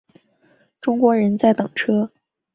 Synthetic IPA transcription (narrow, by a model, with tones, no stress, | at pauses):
ʈ͡ʂʊ˥ŋkwɔ˧˥ɻə˧˥nt͡sa˥˩ɪt̪ɤ˨˩ŋʈ͡ʂʰɤ˥